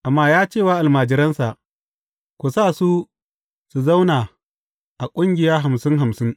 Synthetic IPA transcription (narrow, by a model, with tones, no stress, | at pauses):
ʔa˨mːaː˦jaː˦t͡ʃeː˦˨waː˦ʔa˨lmaː˨d͡ʒɪ˦ɾɐ˦nsa˨ʔ | kʷu˨saː˦˨su˦ | su˨za˦wnaː˨ | ʔa˨kʷʼʊ˦ŋɡʲɪ˨jaː˦ɦa˨msɪ˦ŋɦa˨msɪ˦ŋ